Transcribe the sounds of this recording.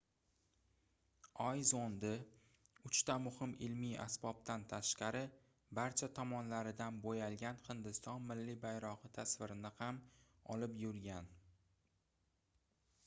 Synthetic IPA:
ɒjzond̪ɪ | ʊt͡ʃt̪amʊhɪmɪlmija̰sbɒb̚t̪ʰant̪ʰaʃqɑɾɪ | baɾt͡ʃʰat̪ʰɒmɒnlaɾɪd̪anbojalɡʲanhɪnd̪ɪst̪ɒnmɪlːibajɾɒʁɨt̪ʰasvɪɾɪnɪham | ɒ̰lɪpjʊɾɡʲan

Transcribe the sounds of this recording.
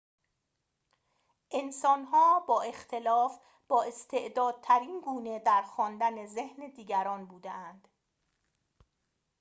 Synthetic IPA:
ʔe̞nsɒːnɦɒːbɒːe̞xt̪ʰe̞lɒːf | b̥ɒːe̞st̪ʰe̞ʔd̪ɒːd̪̥̚t̪ʰæɾiːnɡuːned̪æɾxɒːnd̪æne̞zehned̪iːɟæɾɒːnbuːd̪eʔænd̪̥

